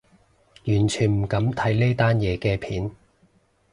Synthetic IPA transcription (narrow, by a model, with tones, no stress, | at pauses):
jyː˨˩nt͡ʃʰyː˨˩nm̩˨˩kɐ˨˥mt̪ʰɐ˨˥jne˥t̪aː˥njɛː˨˧kɛː˧pʰiː˨˥n